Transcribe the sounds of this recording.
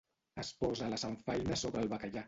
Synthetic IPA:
əspɔzalasaɱfajnasoβɾəlˠβakaʎa

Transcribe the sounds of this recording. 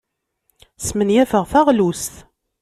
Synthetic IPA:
smənjævəʁθæʁlusθ

